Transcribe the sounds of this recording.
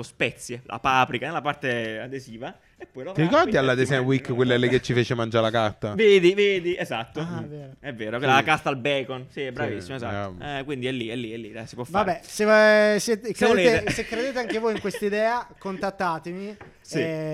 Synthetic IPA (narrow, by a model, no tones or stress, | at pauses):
ospɛt̪sjelʔa̰paːpɾikanelːapart̪ead̪eziːva | epːɔjloiɾikɔrd̪ialːad̪esɛwikːkːwelːɛlːek̟et͡ʃːifeːt͡ʃemand͡ʒaɾelakart̪aveːd̪iveːd̪iezat̪ːoveɛvːeːɾokelakart̪albɛːkonsiɛbːɾavisːimoeza̰t̪ɛkwind̪iɛlːiɛlːiɛlːiɛsipwɔfːvaɾbːɛsesjɛːt̪ekːed̪eleeesekːɾed̪eːt̪eaŋkevoːjiŋkwest̪aid̪ɛːakont̪at̪ːaːt̪emi | si